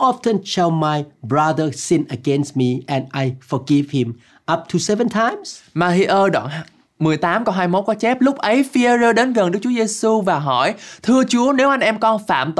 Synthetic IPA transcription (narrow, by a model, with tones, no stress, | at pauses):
ʔɔ˦ftə˧nt͡ʃɛ˧wma˨jbɹa˦ðə˧si˧nə˨ɡɛ˦nst̚mi˨ʔɛ̃˨nʔa˨jfɔ˨ɡi˦v̥hĩ˧m | ʔə˦p̚tʰu˧sɛ˦və̃˨ntʰã˧jmsmaː˨˩ɦi˧˩ʔəː˧ɗwa̰ː˧˩n | mɨ˨˩əjt̪aː˨˦mkɔ˨˦ɦaː˧jmo˦˥t̚kɔ˨˦t͡ɕɛ˦˥p̚lʊ˦˥k͡p̚ʔə˨˦jfi˧ə˧zəː˧ɗe˨˦nɣə˨˩nɗɨ˦˥k̚t͡ɕu˨˦ə˦ze˧su˧vaː˨˩ɦɔ̰˧˩jt̪ʰɨ˧ət͡ɕu˨˦əne˨˦wʔa˧jŋ̟ʔɛ˧mkɔ˧nfa̰ː˧˩˨mt̪